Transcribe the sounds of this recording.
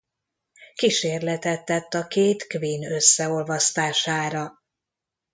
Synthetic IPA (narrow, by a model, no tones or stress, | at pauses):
kiʃeːrlɛt̪ɛt̪ːɛt̪ːɒkeːt̪kviːnø̞sːɛo̞lvɒst̪aːʃaːɾɒ